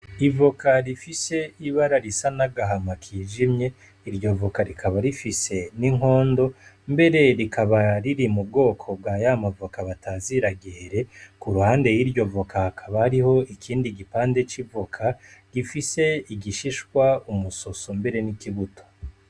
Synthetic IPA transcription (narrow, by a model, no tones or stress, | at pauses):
ivokaɾifise̞iβaɾaɾisanaɡaɦamakʰiʒimɲe̞ | iɾjo̞vokaɾikʰaβaɾifise̞niŋɦo̞ːndo̞ | mbe̞ɾe̞ɾikʰaβaɾiɾimub̚ɡo̞ːkʰo̞bɡajamavokaβataziɾaɡeɾe̞kuɾuhaːnde̞jiɾjo̞vokahakʰaβahaɾiho̞ikʰiːndiɡipaːnde̞t͡ʃivo̞kʰaɡ̥ifise̞iɡiʃiʃkwaumuso̞sombe̞ɾe̞nikiβuto̥